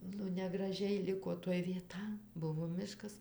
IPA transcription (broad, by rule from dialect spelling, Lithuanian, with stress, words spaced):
nʊ nʲɛɡrɐˈʒʲɛɪ ˈlʲɪkoː toːj ʋʲiɛˈtɐ ˈbʊʋoː ˈmʲɪʃkɐs